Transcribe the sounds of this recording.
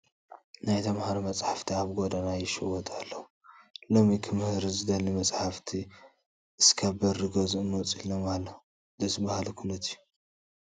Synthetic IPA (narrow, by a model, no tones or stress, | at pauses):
najt̪ʰɐmhaɾimɐt͡sʼħaft̪ʰiaβɡod̪anajɪʃɨwɔt̪ʰalːɐwu | lo̞mikʰɨmhɨɾɨzɨd̪ɐlɨmɐt͡sʼħaft̪ʰi | ʔɨskʰabɐɾɨɡɐzuʔʼnɔt͡sʼilːomalːo | d̪ɐsbahalkʰulɐt̪ʰijːu